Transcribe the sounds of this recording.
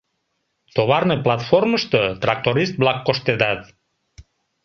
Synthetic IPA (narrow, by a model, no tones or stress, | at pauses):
t̪oβɑrnəplɑt̪forməʃt̪ət̪rɑk̚t̪oɾist̪̚blɑkːoʃt̪ed̪ɑt̪